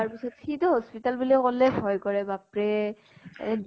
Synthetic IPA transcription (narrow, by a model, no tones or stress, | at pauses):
aɹpisɔtxitɔɦɔspitalbulɛkɔlɛbʱɔjkɔɹɛbapɹɛ